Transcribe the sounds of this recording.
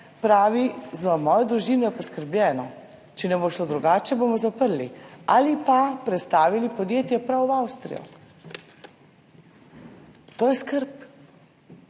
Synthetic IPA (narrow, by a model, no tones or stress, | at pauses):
pɾaːʋizamɔːjɔd̪ɾuʒiːnɔjɛpɔskəɾblʲjɛːnɔ | t͡ʃɛnɛboːʃlod̪ɾuɡaːt͡ʃɛboːmɔzapəɾlialipapɾɛt̪st̪aːʋilipɔd̪jeːt̪jɛpɾawawst̪ɾḭjɔ̰ | t̪oːjɛskəɾp